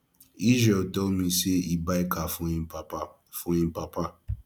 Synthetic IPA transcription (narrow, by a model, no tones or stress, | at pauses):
iʒɛtɔmĩseibaikafũĩaa | fũĩpapa